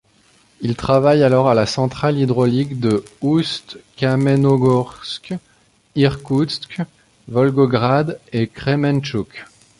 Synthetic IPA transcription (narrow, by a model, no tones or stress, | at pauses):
ilt̪χavajalɔʁalasɑ̃t̪χalid̪ʁɔlikd̪əust̪kamenɔɡɔʁsk | iʁkusk | vɔlɡɔɡʁad̪ekχemɛnt͡ʃuk